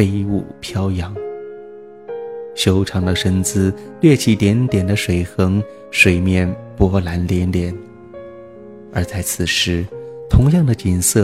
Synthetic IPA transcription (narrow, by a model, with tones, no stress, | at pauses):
fe˥ɪu˥˩pʰjɑ˥ʊjɑ˧˥ŋ | ɕjo˥ʊʈ͡ʂʰɑ˧˥ŋd̪ə˧ʂə˥nt͡sɹ̩˥lwjɛ˥˧t͡ɕʰi˧˥˩t̪jɛ˧˥nt̪jɛ˨˩nd̪ə˦ʂwe˨˩ɪxɤ˧˥ŋ | ʂwe˨˩ɪmjɛ˥˩npwɔ˧˥la˧˥nljɛ˧˥nljɛ˧˥n | ə˞˧˥t͡sa˥˩ɪt͡sʰɹ̩˨˩ʂɻ̩˧˥t̪ʰʊ˧˥ŋjɑ˥˩ŋd̪ə˩t͡ɕi˨˩nsɤ˥˩